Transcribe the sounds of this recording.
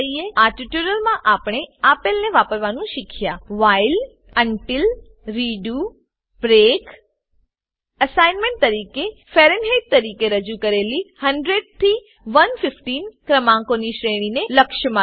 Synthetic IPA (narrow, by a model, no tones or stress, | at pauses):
ieaɾʈiʈjuɾəlmãʔapɽ̃eapelneʋapəɾʋanũʃɪkʰjaʋail | əɳʈɪl | ɾiɖu | b̥ɾek | əsajnmẽɳʈ̚t̪əɾikefeɾenɦeʈ̚t̪əɾikeɾəd͡ʒukəɾelihəɳɖɾeɖ̚t̪ʰi | ʋənfɪfʈinkɾəmãŋkoniʃɾeɽ̃ineləkʃəmã